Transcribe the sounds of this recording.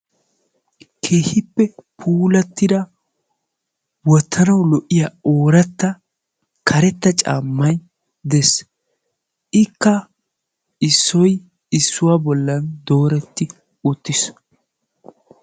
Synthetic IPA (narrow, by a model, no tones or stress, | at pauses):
kʰeːhɪpːɛpʰuːlɐt̪ːɪd̪ɐ | wɔt̪ʰːɐnɐwlɔʔɪjaoːɾɐt̪ːɐ | kʰɐɾɛt̪ːɐt͡ʃʼa̰ːmːɐj | d̪ɛs | ʔɪkːɐ | ɪsːɔj | ɪsːʊwabɔlːɐnd̪o̞ːɾɛt̪ːɪ | ʊt̪ːɪs